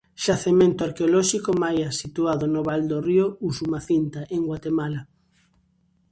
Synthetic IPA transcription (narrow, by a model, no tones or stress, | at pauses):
ʃaθemẽnt̪ʊaɾkeolɔʃikomajasit̪uaðonʊβald̪oriousumaθint̪aʔeŋɡwat̪emala